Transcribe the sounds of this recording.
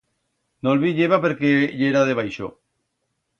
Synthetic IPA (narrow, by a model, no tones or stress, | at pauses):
nolβiʎeβapeɾkeʎeɾaðeβajʃo̰